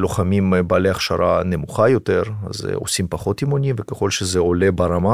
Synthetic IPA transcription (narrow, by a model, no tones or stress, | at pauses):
lo̞χamimbːleaχʃa̰ɾʔanemuχajo̞t̪eɾa̰z̰o̰simpaχo̞t̪imonʲimvekeχo̞lʃezeo̞lebaɾama